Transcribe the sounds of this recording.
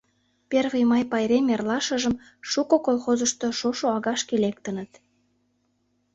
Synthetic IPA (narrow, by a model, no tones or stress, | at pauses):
perβejmɑjpɑjɾemerlɑʃəʒə̆m | ʃukokolxozəʃt̪oʃoʃoɑɣɑʃkelek̚t̪ə̆nət̪